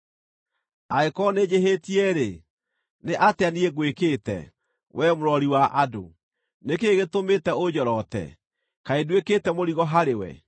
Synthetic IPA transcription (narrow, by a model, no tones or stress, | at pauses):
aekɔned͡ʑeɦetiɛɾe | neʔateanieɡwekeːtɛ̰ | wʔɛmoɾɔɾiwaʔado̰ | nekeɣetometɛod͡ʑɔɾɔtɛ̰ | kaedweketɛmoɾiɣɔɦaɾewɛ̰